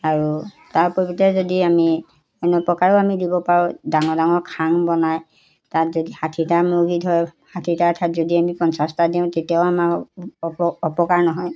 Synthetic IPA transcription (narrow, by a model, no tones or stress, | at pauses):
aɹu | taɹpobitɛzodiami | ɛnɔpɔkaɹɔamidibɔpaɹʊ̃daŋɔdaŋɔɹkʰaŋbɔnaj | tatzodihatʰitamoɡidɦɔjhatʰitatʰatzodiamipɔnsastadiʊ̃tetiaʊama | ɔpɔkaɹnɔɦɔj